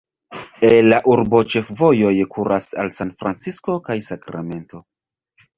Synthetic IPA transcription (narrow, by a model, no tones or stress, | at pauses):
elːaʔuɾbo̞t͡ʃe̞fvo̞jo̞jkʰuɾʔasa̰lsanfɾant͡sisko̞kajsakɾame̞nto̞